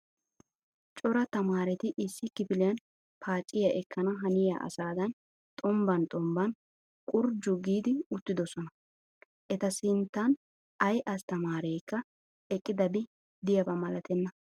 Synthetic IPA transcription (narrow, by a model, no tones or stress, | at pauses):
t͡ʃʼɔɾɐt̪ɐmaːɾɛt̪ɪʔɪsːɪkɪpɪlɪjɐn | pʰaːt͡ʃʼːɪjɐʔɛkːɐnɐɦɐnɪja̰ʔɐ̰saːd̪ɐn | t̪ʼɔmbɐnt̪ʼɔmbɐn | kʼʊɾd͡ʒʊɡiːd̪ɪʊt̪ːɪd̪ɔsɔnɐ | ʔɛt̪ɐsɪnt̪ːɐn | ɐjʔɐst̪ɐmaːɾeːkːɐ | ɛkʼːɪd̪ɐbɪ | d̪ɪjɐbɐmɐlɐt̪ʰɛnːɐ